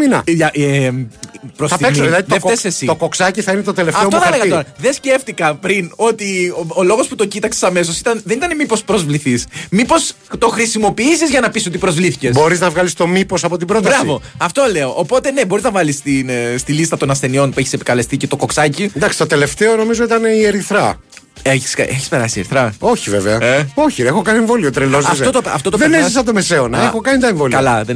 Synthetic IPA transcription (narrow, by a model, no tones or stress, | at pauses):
minɐ̰ʝɐe | pɾosɐemsiðilɐðiefesesit̪okoksɐciθɐinet̪ot̪elefɐɐfeooθɐɐleɣɐt̪o̞ɾɐðe̞sce̞ft̪ikɐpɾino̞t̪iolo̞ɣo̞sput̪o̞cit̪ɐkse̥sɐme̞s̬o̞si̥t̪ɐnðe̞nit̪ɐnemipo̞spɾo̞zvliθismipo̞s | t̪o̞xɾisimo̞piisizʝɐnɐpiso̞t̪ipɾo̞zvliθice̞sbo̞ɾiznɐvɣɐlist̪o̞mipo̞sɐpo̞t̪̬ibɾot̪ɐɾsɐvo̞ɐft̪o̞leoʔːpot̪e̞ne̞boɾiznɐvɐlist̪inst̪ilist̪ɐt̪o̞nɐsθe̞nio̞npue̞çi̥sepi̥kɐle̞st̪icet̪o̞ko̞ksɐcind̪ɐksi̥t̪ot̪e̞le̞ft̪eono̞mizo̞it̪ɐneieɾiθɾɐ̰ | eçi̥skɐ̰ʔeçispe̞ɾɐsieɾiθɾɐo̞çiveveɐeo̞çiexokɐnieɱvo̞liot̪ɾelozɐfsot̪oɐft̪ot̪ðenezisɐnd̪omese̞onɐexokɐnit̪ɐeɱvoliɐlɐðe